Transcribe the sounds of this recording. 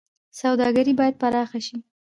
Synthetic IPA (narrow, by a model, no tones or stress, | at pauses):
sawd̪ɑɡaɾibɑjad̪̚paɾɑxaʃi